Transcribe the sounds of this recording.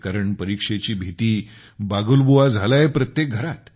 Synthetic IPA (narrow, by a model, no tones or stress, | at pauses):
kaɾəɳpəɾikʂet͡ɕiːbʱit̪iː | baɡulbuʋad͡zʱalaepɾət̪jek̚ɡʱəɾat̪